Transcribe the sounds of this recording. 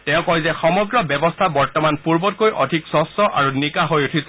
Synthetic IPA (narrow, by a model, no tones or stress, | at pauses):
tɛ̃ʊ̃kɔjzɛxɔmɔɡɹɔbɛbɔstʰabɔɹtɔmanpuɹbɔt̚kojʔɔ̰dʱiksɔsɔʔaɹunikaɦojutʰis